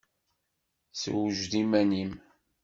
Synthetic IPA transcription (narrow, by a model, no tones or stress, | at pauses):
sə̰wəʒðimænim